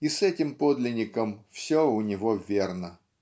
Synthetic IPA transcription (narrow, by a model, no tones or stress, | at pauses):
isɛtʲɪmpod̪lʲɪnʲɪkəmfsʲoʊnʲɪvovʲernə